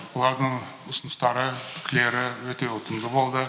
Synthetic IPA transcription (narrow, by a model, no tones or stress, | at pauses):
wolˠɑɾd̪əɴ | ʊsənəst̪ɑɾət̪ʰɪ̥kʲɪle̞ɾɪwɵt̪e̞ʊt̪ənd̪əbo̞lˠd̪ə